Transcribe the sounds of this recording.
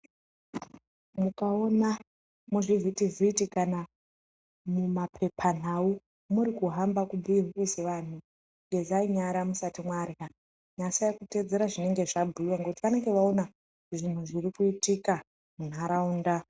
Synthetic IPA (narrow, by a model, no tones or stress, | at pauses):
mukao̞na | muʐivitivʱitikana | mumapʰe̞pʰan̤au | muɾikuɦambakubʱuirukuseʋan̤u | ŋɡe̞zaiɲaɾamusatimwarja | ɲasajakute̞d͡ze̞ɾaʐine̞ŋɡe̞ʐabʱuiwaŋɡeoutiʋane̞ŋɡe̞ʋaona | ʐin̤uʐirikuitika | mun̤aɾauːnda